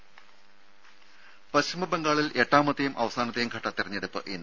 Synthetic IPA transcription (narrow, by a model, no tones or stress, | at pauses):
pɐɕumɐbe̞ŋɡaːɭile̞ʈːaːmɐt̪ːɐjumʔɐʋɐsaːnɐt̪ːɐjumɡʱɐʈːɐt̪ːirɐɲːeɽupːɨʔinːɨ